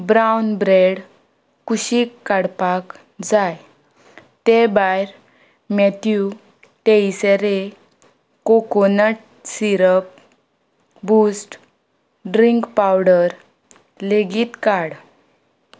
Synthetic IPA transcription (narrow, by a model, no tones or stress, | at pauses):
bɾawnbɾeɽ | kuɕiːkːaɽpak | d͡zaj | t̪ebajɾ | mɛt̪ju | ʈeiseɾe | kokonəʈ | siɾəp̚ | busʈ | ɖɾiŋkpawɽəɾ | leɡiːt̪kaɽ